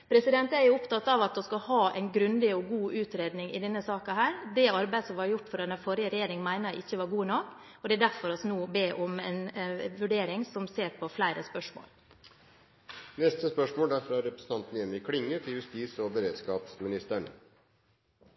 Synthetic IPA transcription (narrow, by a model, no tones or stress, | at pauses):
pʰɾɛsɪd̪ɛnt̪æɾjʊʊpt̪ɑt̪ːɑʋɑt̪̚d̪ɔskɑhɑːʔɛ̰ɪnɡɾʉnd̪ɪɔɡuːʔʉːt̪ɾeːd̪nɪŋɪ̰d̪ɛnːəsɑːkɑhæːɾd̪ɛɑɾbæɪd̪əsɔmʋɑɾjʊʈːfɔɾɛnæfɔɾɪəɾɛjeːɾɪŋmæɪnɑʔɪçːəʋɑɾɡuːnɔkːɔd̪ɛæɖ̪æɾfɔɾɑsnuːbeːʔɔmɛnʋʉɖeːɾɪŋsɔmseːɾpʰɔflæɪɾʔəspœʂmo̰ːl | nɛst̪əspœʂmoːld̪æɾfɾɑɾɛpɾəsən̩t̪ɑnt̪njɛmːɪkʰɽɪŋːət̪ʰɪljʉst̪iːsɔbəɾeːd̪skɑːpsmɪnɪst̪əɳ